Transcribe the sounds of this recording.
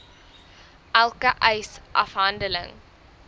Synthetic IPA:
ʔælˠkəʔɛjsʔɐ̰fɦɐndələ̰ŋ

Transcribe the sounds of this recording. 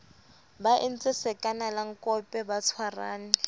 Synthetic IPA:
baʔɪn̩t͡sʼɪsɛkʼanalaŋ̩kʼɔpʼɛbat͡sʰwara̰ːnɪ

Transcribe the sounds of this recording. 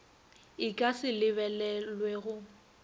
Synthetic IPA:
ɪkʼasɪlɪβɛlɛlweɣʊ

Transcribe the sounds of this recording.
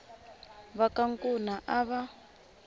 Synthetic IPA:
βakaŋkʼunaʔaβa

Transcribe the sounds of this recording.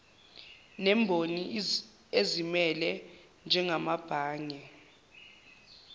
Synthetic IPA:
nɛmbʱoni | ezimɛlɛ | nd͡ʒʱɛŋamab̥ʱaːŋɛ

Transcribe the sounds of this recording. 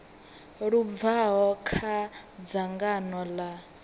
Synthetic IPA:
ɺub̪vaɦɔkʰad͡zaŋɡanɔla

